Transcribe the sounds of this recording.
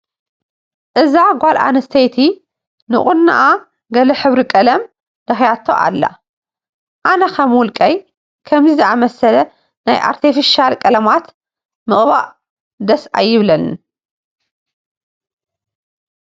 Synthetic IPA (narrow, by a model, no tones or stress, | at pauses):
ʔɨzaɡʷalʔa̰nɐst̪ʰɐjt̪ʰi | nɨ̰χʼʊnːa̰ʔa | ɡɐlɐħɨβɾikʼɐlɐm | d̪̥ɐxjat̪ʰːo̰ʔa̰lːa̰ | ʔanɐkʰɐmwʊlkʼɐj | kʰɐmzizɨʔamɐsɐlɐ | najʔa̰ɾt̪ʰifiʃalkʼɐlɐmat̪ | mɨχʼβa̰ʔ | d̪ɐsa̰jːɪβlɐnn